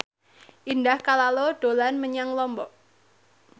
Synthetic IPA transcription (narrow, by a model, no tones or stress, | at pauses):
ʔindahkalaloɖ̥o̤lanməɲaŋlɔmbɔʔ